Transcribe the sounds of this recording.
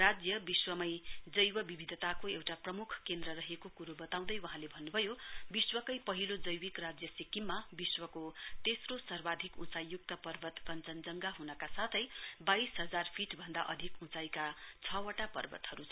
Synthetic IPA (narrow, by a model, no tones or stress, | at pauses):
rad͡zjʌbiswʌmʌjd͡zʌjwʌbibʱid̪ʱʌt̪akoewʈaprʌmukʰkend̪ɾʌɾʌɦekokuɾobʌt̪aw̃d̪ʌjwʌɦãlebʱʌnːubʱʌjobiswʌkʌjpʌɦilod͡zʌjwikrad͡zjʌsikimːabiswʌkot̪esrosʌrbad̪ʱikũt͡sajːuk̚t̪ʌpʌrbʌt̪kʌnt͡sʌnd͡zʌŋɡaɦunʌkasat̪ʰʌjbajsɦʌd͡zarpʰiʈbʱʌnd̪aʔʌd̪ʱikũt͡sajkat͡sʰʌwʌʈapʌ̰rbʌ̰t̪ɦʌɾut͡sʰʌ